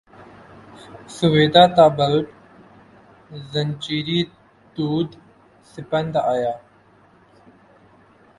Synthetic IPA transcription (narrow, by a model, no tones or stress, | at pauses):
suʋeːd̪aːt̪aːbəlʈ | zɐnt͡ɕiːɾi | t̪uːd̪ | sɪpənd̪aːjaː